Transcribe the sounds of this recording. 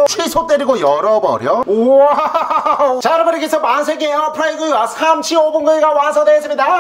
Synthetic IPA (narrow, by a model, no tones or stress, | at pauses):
t͡ɕʰwisʰot͈eɾiɡojʌɾʌbʌ̰ɾjo | t͡ɕaɾbɯɾiɡesʰʌmansʰeɡiejopʰɯɾaiɡɯasʰamt͡ɕʰiobunɡɯɡawasʰʌdwes͈ɯmɲida